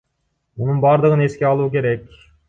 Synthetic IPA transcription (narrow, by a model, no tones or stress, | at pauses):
munɯnbɑɾd̪ɯʁəne̞skʲe̞ɑlˠuk̬ʲe̞ɾek̚ʲ